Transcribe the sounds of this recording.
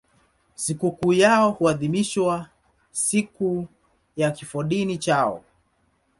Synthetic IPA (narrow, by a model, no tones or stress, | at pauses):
sikukuːjaɔhuaðimiʃwa | siku | jakifɔɗinit͡ʃaɔ̰